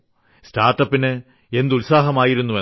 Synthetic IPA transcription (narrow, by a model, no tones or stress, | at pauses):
staːrʈːɐpːinɨ | e̞nd̪ulsaːɦɐmaːjiɾunːuʋɐ